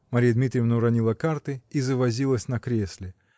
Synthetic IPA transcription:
mɐɾʲijəd̪mʲit̪ɾʲɪjəvnəɾɐnʲilˠəkart̪ɨizəvɐzʲilˠəsʲnɐkɾʲesʲlʲɪ

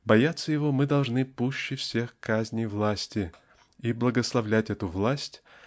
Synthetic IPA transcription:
bɐjat̪sːəjɪvo̞mɨd̪ɐlˠʐnɨpuɕːɪfsʲexkazʲnʲɪjvlˠasʲtʲɪ | iblˠəɡəslˠɐvlʲætʲɛt̪ʊvlˠasʲtʲ

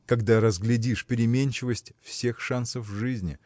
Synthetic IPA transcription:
kɐɡd̪aɾəzɡlʲɪdʲiʂpʲɪɾʲɪmʲenʲt͡ɕɪvəsʲtʲfsʲe̞xʂansəfʐɨzʲnʲɪ̰

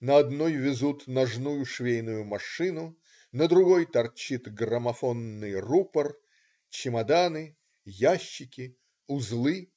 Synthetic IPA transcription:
nəɐd̪nojvʲɪzut̪nɐʐnujʊʂvʲejnʊjʊmɐʂɨnʊ | nəd̪ɾʊɡojt̪ɐrt͡ɕit̪ɡrəmɐfonːɨjrupər | t͡ɕɪmɐd̪anɨ | jaɕːɪkʲɪ | ʊzlˠɨ

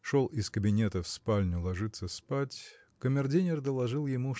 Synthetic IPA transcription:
ʂolˠɪskəbʲɪnʲet̪əfspalʲnʲʊlˠɐʐɨt̪sːəspatʲ | kəmʲɪrdʲinʲɪrd̪əlˠɐʐɨlˠjɪmu

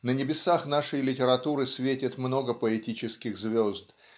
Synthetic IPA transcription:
nənʲɪbʲɪsaxnaʂəjlʲɪtʲɪɾɐt̪uɾɨsʲvʲetʲɪt̪mno̞ɡəpəɛtʲit͡ɕɪskʲɪxzvʲo̞zd̪

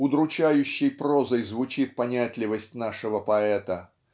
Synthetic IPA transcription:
ʊd̪ɾʊt͡ɕæjʉɕːɪjpɾozəjzvʊt͡ɕit̪̚pɐnʲæt̪ʲlʲɪvəsʲtʲnaʂɨvəpɐɛt̪ə

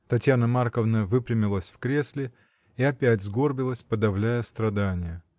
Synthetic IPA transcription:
t̪ɐtʲjanəmarkəvnəvɨpɾʲɪmʲɪlˠəsʲfkɾʲesʲlʲɪ | iɐpʲætʲzɡo̞rbʲɪlˠəsʲpəd̪ɐvlʲæjəst̪ɾɐd̪anʲɪjə

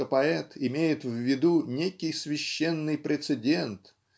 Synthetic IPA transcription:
əpɐɛt̪ɪmʲejɪt̪vvʲːɪd̪unʲekʲɪjsvʲɪɕːenːɨjpɾʲɪt̪sɨdʲe̞nt̪

